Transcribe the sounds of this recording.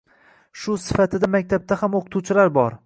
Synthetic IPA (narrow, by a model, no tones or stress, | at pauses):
ʃʊsɪfat̪ʰɪd̪amak̚ʲt̪ʰab̚t̪ʰahamoqʰɨt̪ʰut͡ʃʰɪlaɾbɒɾ